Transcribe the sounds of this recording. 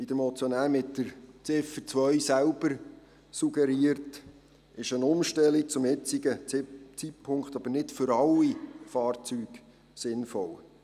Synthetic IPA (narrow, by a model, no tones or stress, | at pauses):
id̥̪əɾmɔt͡sjɔnæːɾmɪtːəɾt͡sɪfət͡sʋœɥsælb̥əɾ | suɡ̥ɛɾiəɾt | ɪʃənʊmʃtɛlik̚t͡sʊmɪt͡siɡət͡sitpʰːʊŋkχt̪ɑb̥əɾnɪtfʏɾɑlːifɑːɾt͡syːɡ̥ | sɪnfɔl